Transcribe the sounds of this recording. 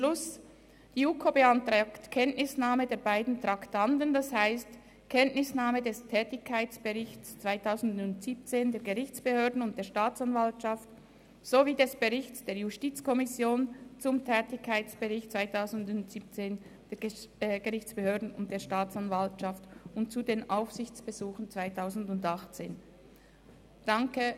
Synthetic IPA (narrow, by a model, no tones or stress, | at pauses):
lʊs | d̥iːuːkʰoːbeantʁaːktkʰɛntnɪsnaːmədeːɐbaɪdn̩tʁ̥aktʰantəndashaɪst | kʰɛntnɪsnaːmədɛstʰɛːtɪçkʰːaɪt͡sb̥əʁɪçt͡st͡sv̥aɪtʰaʊzn̩dʊntz̥iːp̚t͡seːndeːɐɡəʁɪçt͡sb̥əhøːɐdn̩ʊnt̚d̥eːɐʃtaːt͡sanvaltʃaft | z̥oviːdɛsb̥əʁɪçt͡sd̥eːɐjustiːt͡skʰɔmɪsjoːnt͡sʊmtʰɛːtɪçkʰːaɪt͡sb̥əʁɪçtt͡svaɪtʰaʊzn̩dʊntz̥iːp̚t͡seːn | d̥eːɐɡəʁɪçt͡sb̥əhøːɐdn̩ʊ̰nt̚d̥eːɐʃtaːt͡sanvaltʃaftʊntt͡sudeːnʔaʊfsɪçt͡sb̥əzuːχn̩t͡sv̥aɪtʰaʊzn̩dʊndaχt͡sḛːn | d̥aŋkə